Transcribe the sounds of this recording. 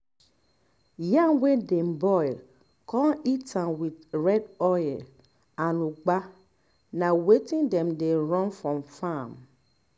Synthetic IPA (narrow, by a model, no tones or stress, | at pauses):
jãŋwedẽmbɔɪl | kʰɔ̃nitʰãnwidɹɛdɔj | anũɡ͡ba | nãwetĩŋdɛ̃mdeɾɔ̃nfɹɔ̃mfam